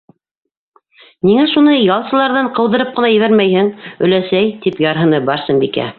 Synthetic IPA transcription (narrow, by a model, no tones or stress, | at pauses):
niŋæʃunɤjɑlˠsɤ̆lˠɑɾðɑɴqɤ̆wðɤ̆ɾɤp̚qɤ̆nɑjɘ̆βæɾmæjhɘŋɵ̆læsæjt̪ipjɑɾɦɤ̆nɤbɑɾsɤmbikæ̰